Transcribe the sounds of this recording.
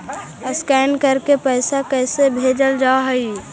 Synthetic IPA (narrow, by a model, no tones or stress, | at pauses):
əskɛːnkəɾkepəɪsakɛɪsebʱeːd͡ʒəld͡ʒaːɦəi